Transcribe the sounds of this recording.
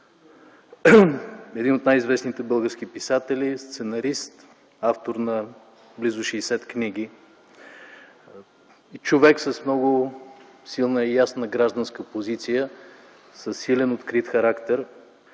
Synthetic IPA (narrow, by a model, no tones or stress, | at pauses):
ɛd̪inot̪najizvɛsnit̪ɛbɤlˠɡəɾsk̟ʲipisat̪ɛlist̪sɛnɐɾist̪ | aft̪oɾnɐ | blizʊʃɛːsɛt̪knʲiɡ̟i | it͡ʃovɛksəsmnɔɡʊ | silˠnəijasnəɡɾaʒd̪ənskəpozit̪sijə | səsːilɛnot̪kɾit̪xɐɾakt̪ɛɾ